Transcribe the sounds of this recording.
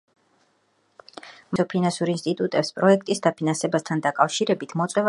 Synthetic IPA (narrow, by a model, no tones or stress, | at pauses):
mɔpʰinansuɾinst̪ʼit̪ʼut̪ʼɛpspʼɾɔɛk̚ʰt̪ʼisd̪apʰinansɛbast̪ʰand̪akʼafʃiɾɛbit̪ʰmɔt̪sʼwɛv